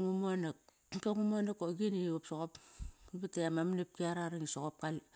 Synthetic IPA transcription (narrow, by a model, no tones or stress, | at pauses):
ŋumonak̚ | kaŋumonakoɡiniopsoɣopibitajamamnip̚kiaɾaɾaŋisoɣop̚kal